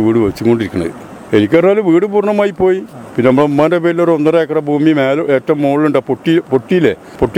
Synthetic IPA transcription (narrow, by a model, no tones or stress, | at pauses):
ʋiːɽɨʋet͡ɕːikːo̞ɳɖiɾikʲːuɳɐ̰ðɨ̰ | enikʲːernaːluʋiːɽɨpuːrɳɐmaːjipːo̞ːjipinːenɐmːɐɭeumːaːndepeːɾilːoɾonːɐreːkːɐrɐbʱuːmimeːlɐʔeːtːɐʋumːoːɭiluɳɖaːpoʈːipoʈːijile | poʈːi